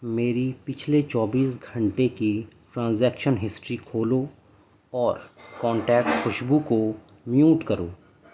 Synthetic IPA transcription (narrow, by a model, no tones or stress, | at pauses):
meːɾipɪt͡ʃʰlet͡ʃɔːbiːsɡʱɐ̃ɳʈekiʈɾãːnzɛːkʃənɦɪsʈɾikʰoːlo | ɔːɾkɔ̃ːɳʈɛːkʈxʊʃbuko | mjuːʈkɐɾoː